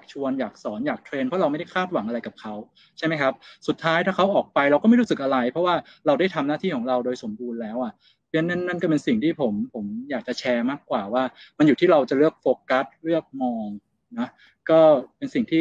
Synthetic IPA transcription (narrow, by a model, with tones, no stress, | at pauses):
a˨˩k̚t͡ɕʰu˧ənjaː˨˩k̚sɔː˩˦njaː˨˩k̚t̪ʰɾeː˧npʰɔ˦˥ɾa˧wma˥˩jda˥˩kʰaː˥˩t̪̚wa˨˩˦ŋʔa˧ɾa˧jka˨˩p̚kʰa˦˥w | t͡ɕʰa˥˩jma˦jkʰa˦˥p̚su˨˩t̪ʰːaː˦˥jt̪ʰaː˥˩kʰa˦˥wʔɔː˨˩k̚pa˧jɾa˧wkɔː˥ma˥˩ɾu˦˥sɯ˨˩k̚ʔa˧ɾa˧jpʰɾɔ˦˥waː˥˩ɾa˧wdaː˥˩jt̪ʰa˧mnaː˥˩t̪ʰiː˥˩kʰɔː˩˦ŋɾa˧wdoː˧jso˩˦mbuː˧nlɛː˦˥wʔa˨˩ʔ | a˦˥nːa˥˩nːa˥˩nkɔː˥˩pe˧nsi˨˩ŋt̪ʰiː˥˩pʰo˩˦mpʰo˩˦mjaː˨˩k̚t͡ɕa˨˩t͡ɕʰɛː˧maː˥˩kːwaː˨˩waː˥˩ma˧nju˨˩t̪ʰiː˥˩ɾa˧wt͡ɕa˨˩lɯ˥˩ək̚foː˧ka˦˥t̪̚ɾɯ˥˩ək̚mɔː˧ŋ | nɔ˦˥ | kɔː˥˩pe˧nsi˨˩ŋt̪ʰiː˥˩